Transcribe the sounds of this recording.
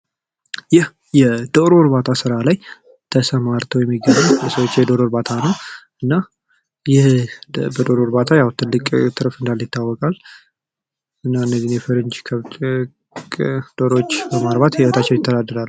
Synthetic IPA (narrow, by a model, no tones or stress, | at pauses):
jɪh | jɛd̪̥o̞ɾoɾbat̪ʰasɨɾalaj | t̪ʰəsəmaɾt̪ʰəwjɛmːiɡːəβjsəwot͡ʃːjɛd̪o̞ɾoɾbat̪ʰanəw | ɨnːa | jɪhbəd̪o̞ɾoɾbat̪ʰajawt̪ʰɨlːɨkʼt̪ʰɨɾfɨnd̪aljɪt̪ʰːawːɔkʼal | ɨnːaɨnːəzinjɛfəɾɨnd͡ʒkʰəβ | kʼd̪̥oɾot͡ʃːbəmaɾbat̪jɛwət̪ʰat͡ʃːɛwnjɪt̪ʰːəd̪ad̪ːəɾal